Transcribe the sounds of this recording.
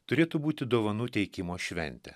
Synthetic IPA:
t̪ʊɾʲeːt̪ʊbuːt̪ʲɪd̪oːʋɐnuːt̪ʲɛɪkʲɪmoːʃʲʋʲɛ̰nʲt̪ʲɛ̰

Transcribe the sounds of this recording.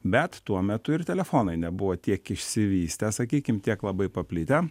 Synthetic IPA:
bʲɛt̪t̪uɔmʲɛt̪ʊɪɾt̪ʲɛlʲɛfoːnɐɪnʲɛbʊʋoːt̪ʲiɛkɪʃʲsʲɪʋʲiːsʲt̪ʲɛsɐkʲiːkʲɪmt̪ʲiɛklˠɐbɐɪpɐpʲlʲɪt̪ʲɛ

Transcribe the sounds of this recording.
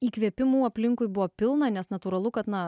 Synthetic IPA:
iːkʋʲiɛpʲɪmuːɐpʲlʲɪŋkʊjbʊʋoːpʲɪlˠnɐnʲɛsnɐt̪uːɾɐlˠʊkɐt̪nɐ

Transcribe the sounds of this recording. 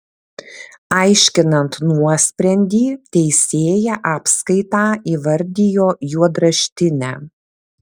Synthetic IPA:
ɐɪʃʲkʲɪnɐnt̪nuɔsʲpʲɾʲɛnʲd̪ʲiːt̪ʲɛɪsʲeːjɛʔɑːpskɐɪt̪ɑːiːʋɐɾʲd̪ʲɪjoːjuɔd̪ɾɐʃʲt̪ʲɪnʲæ̰ː

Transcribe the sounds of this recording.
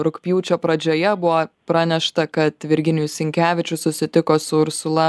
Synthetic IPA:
ɾʊkpʲjuːt͡ʃʲoːpɾɐd͡ʒʲoːjɛbʊʋopɾɑːnʲɛʃt̪ɐkɐt̪ʋʲɪɾʲɡʲɪnʲɪjʊsʲɪŋʲkʲæːʋʲɪt͡ʃʲʊsʊsʲɪt̪ʲɪkoːsʊʊɾsʊlˠɐ

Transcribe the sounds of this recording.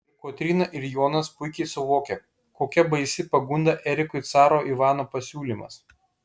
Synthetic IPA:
koːt̪ʲɾʲiːnɐʔɪɾjoːnɐspʊɪkʲɛɪsʊʋoːkʲɛ | koːkʲɛbɐɪsʲɪpɐɡʊnd̪ɐʔɛɾʲɪkʊɪt̪sɑːɾoːʔiʋɑːnoːpɐsʲuːlʲiːˑmɐ̰s

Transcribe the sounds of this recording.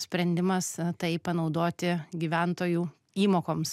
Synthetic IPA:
sʲpʲɾʲɛnʲd̪ʲɪmɐst̪ɐɪpɐnɒʊd̪oːt̪ʲɪɡʲiːʋʲænt̪oːjuː | iːmoːkoːms

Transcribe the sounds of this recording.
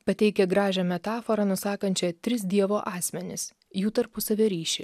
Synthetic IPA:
pɐt̪ʲɛɪkʲɛɡɾɑːʒʲɛmʲɛt̪ɑːfoɾɐnʊsɑːkɐnʲt͡ʃʲɛt̪ʲɾʲɪsd̪ʲiɛʋoːʔɑːsʲmʲɛnʲɪ̰s | juːt̪ɐɾpʊsɐʋʲɛɾʲiːʃʲɪ

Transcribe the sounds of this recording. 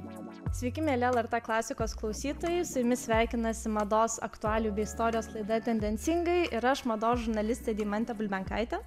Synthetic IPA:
sʲʋʲɛɪkʲɪmʲeːɛlʲɛɛlˠɛɾt̪ɛklˠɑːsʲɪkoːsklˠɒʊsʲiːt̪oːjɛɪsʊjʊmʲɪsʲʋʲæˑɪkʲɪnɐsʲɪmɐd̪oːsɐ̰kt̪ʊɑːlʲuːbʲɛɪɪst̪ɔːɾʲɪjoːslˠɐɪd̪ɐt̪ʲɛnʲd̪ʲɛnʲt̪sʲɪŋɡɐɪʔɪɾɐʃmɐd̪oːsʒʊɾnɐlʲɪsʲt̪ʲeːd̪ʲɛɪmɐnʲt̪ʲɛbʊlʲmʲɛŋkɑɪt̪ʲɛ

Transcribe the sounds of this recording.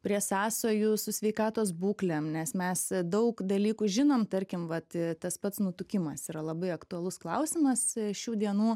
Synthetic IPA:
pʲɾʲiɛsɑːsoːjʊsʊsʲʋʲɛɪkɑːt̪oːsbuːklʲɛmnʲɛsmʲɛsd̪ɐʊkd̪ɐlʲiːkuʒʲɪnoːmt̪ɐɾʲkʲɪmʋɐt̪ɪt̪ɐspɐt̪snut̪ʊkʲɪmɐsiːɾɐlˠɐbɐɪɐkt̪ʊɐlˠʊsklˠɐʊsʲɪmɐsʃʲuːd̪ʲiɛnuː

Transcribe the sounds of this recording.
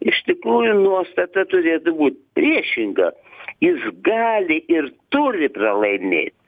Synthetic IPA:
ɪʃt̪ʲɪkɾuːjʊnuɔst̪ɐt̪ɐt̪ʊɾʲeːt̪ʊbuːt̪̚ʲpʲɾʲiɛʃʲɪŋɡɐ̰jɪsɡɑːlʲɪʔɪrt̪ʊɾʲɪprɐlˠɐɪmʲḛːt̪ʲ

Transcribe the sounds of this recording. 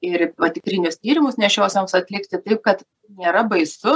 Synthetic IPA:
ɪɾʋɐt̪ʲɪkɾʲɪnʲʊst̪ʲiːɾʲɪmʊsnʲɛʃʲoːsʲomsɐt̪ʲlʲɪkt̪ʲɪt̪ɐɪp̚kɐt̪ | nʲeːɾɐbɐɪsʊ

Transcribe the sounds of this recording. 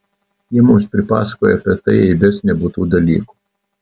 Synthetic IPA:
jɛmusʲpɾʲɪpɑ̰ːskɔjɛpʲɛt̪ɛjɛibʲɛsnʲɛbut̪ud̪ɐlʲḭːkʊ̥

